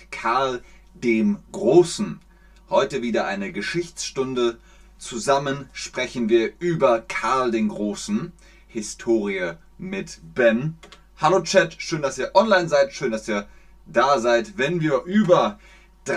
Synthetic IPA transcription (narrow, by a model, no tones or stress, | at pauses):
kʰaɐl | deːmɡʁoːsn̩ | hɔʏtəviːdɐʔaɪnəɡəʃɪçt͡sʃtʊndə | t͡suzamənʃpʁ̥ɛçn̩viːɐʔyːbɐkʰaɐldeːnɡʁoːsn̩ | hɪstʰoːʁiə | mɪtb̥ɛn | haloːt͡ʃɛtʃøːndasiːɐʔɔnlaɪnzaɪtʃøːndasiːɐ | d̥aːzaɪtvɛnviːɐʔyːbɐ | d̥